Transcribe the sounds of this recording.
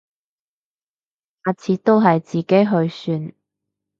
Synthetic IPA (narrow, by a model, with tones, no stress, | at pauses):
aː˨˧t͡sʰiː˨˥t̪o˥wɦɐ˨jt͡siː˨ke˥jɦɵ˧ɥsyː˧n